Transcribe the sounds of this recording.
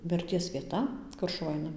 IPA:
mʲɪrʲˈtʲiɛs ʋʲiɛˈtɐ ˈkʊr ʃʊˈʋɐ ˈɐɪnɐ

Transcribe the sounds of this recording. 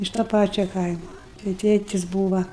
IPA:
ɪʃ toː ˈpɑːt͡ʃʲoː ˈkɐɪmoː tɐɪ ˈtʲeːtʲɪs ˈbuːʋɐ

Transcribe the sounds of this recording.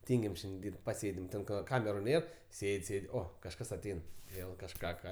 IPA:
ˈtʲiːŋʲɡʲɪm ˈʃʲɛnʲdʲɪ ˈdʲiːrʲpʲtʲ pɐˈsʲeːdʲɪm ˈtʲɛn kɐ ˈkɑːmʲɛrʊ ˈnʲeːr ˈsʲeːtʲ ˈsʲeːtʲ ˈoː kɐʃˈkɐs ɐˈtʲɛɪn ˈʋʲeːlˠ kɐʃˈkɑː ˈkɑː

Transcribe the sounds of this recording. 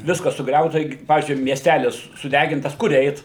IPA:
ˈʋʲɪskɐs sʊˈɡrʲɛʊtɐ ˈɪkʲɪ ˈpɑːʋʲiːzʲd͡ʒʲʊɪ mʲiɛsʲˈtʲælʲɪs sʊˈdʲæɡʲɪntɐs ˈkʊr ˈɛɪt

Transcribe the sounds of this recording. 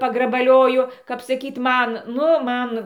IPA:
pɐɡrɐbɐˈlʲoːjʊ kɐp sɐˈkʲiːt ˈmɐn ˈnʊ ˈmɐn

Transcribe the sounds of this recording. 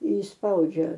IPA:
ɪʃsˈpɐʊd͡ʒʲɛ

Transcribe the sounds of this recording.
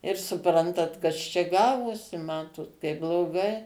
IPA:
ɪr sʊˈprɐntɐt ˈkɐs t͡ʃʲɛ ˈɡɑːʋoːsʲɪ ˈmɑːtoːt kɐɪp blˠoːˈɡɐɪ

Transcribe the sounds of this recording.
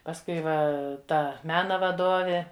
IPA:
pɐsˈkʊɪ ˈʋɐ ˈtɐ ˈmʲæːnɐ ʋɐˈdoːʋʲeː

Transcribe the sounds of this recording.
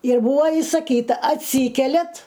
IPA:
ɪr ˈbuːɐ ɪsɐˈkʲiːtɐ ɐtʲˈsʲiːkʲɛlʲɛt

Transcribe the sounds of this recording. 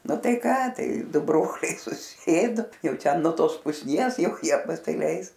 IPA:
ˈnʊ ˈtɐɪ ˈkɑː ˈtɐɪ ˈdʊ ˈbroːlʲɛɪ sʊˈsʲeːdʊ ˈjɛʊ ˈtʲɛn nuɔ ˈtoːs pʊsʲˈnʲiɛs ˈjɛʊ ˈjiɛ pɐsʲɪˈlʲɛɪs

